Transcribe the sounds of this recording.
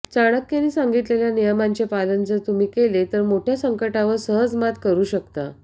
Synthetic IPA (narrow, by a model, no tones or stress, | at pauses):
t͡saɽ̃əkːjaniːsaŋɡit̪leljanijəmaɲt͡ɕepalənd͡zət̪umiːkelet̪əɾmoʈʰjasəŋkəʈaʋəɾsəɦəd͡zmat̪kəɾuːɕəkt̪a